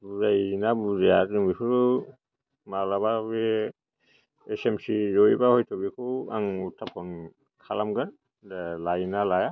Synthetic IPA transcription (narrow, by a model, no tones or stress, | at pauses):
buzajnabuzajatzuŋbikʰuɾ | malaβabe | esemsizɔjbahojtʰɔbikʰua̰ŋutʰapʰɔn | kʰalamɡan | dalajnalaja